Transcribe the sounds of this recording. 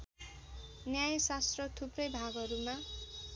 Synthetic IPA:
njajsast̪rʌt̪ʰuprʌjbʱaɡʌɾuma

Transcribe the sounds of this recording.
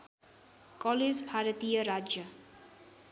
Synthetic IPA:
kɔled͡zbʱaɾət̪ijʌɾad͡ʒjʌ

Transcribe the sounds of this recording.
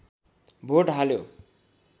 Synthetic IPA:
bʱoʈɦaljo

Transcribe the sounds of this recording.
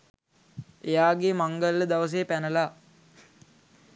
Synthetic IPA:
ejaːɡemaŋɡəlːəd̪aʋəs̬eːpænəlaː

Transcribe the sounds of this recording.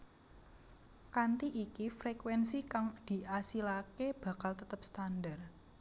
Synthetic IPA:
kant̪iʔikifɾekwɛnsikaŋd̪̥i̤ʔasilakeb̥a̤kalt̪ət̪əp̚st̪andar

